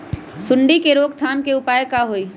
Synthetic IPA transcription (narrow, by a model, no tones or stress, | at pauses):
sʊɳɖikeɾoːɡ̚t̪ʰaːnkeʊpaːjekaɦoːiː